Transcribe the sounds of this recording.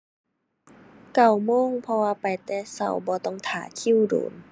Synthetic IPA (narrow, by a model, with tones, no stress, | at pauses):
ka˧˩wmoː˧˥˨ŋpʰɔ˧waː˧pa˨jt̪ɛː˧˩sa̰˧˩wbɔː˧t̪ɔ˧˩ŋt̪ʰaː˨˩˦kʰi˧˥˨wdo̰ː˨˩˦n